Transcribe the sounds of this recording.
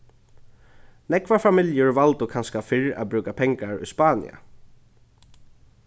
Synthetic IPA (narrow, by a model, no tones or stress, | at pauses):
nɛkvafamɪljʊɹvalt̪ʊkʰanskafɪɹa̰ðbɾʉːkapʰɛŋkaɹʊ̰jspaːnɪ̰a̰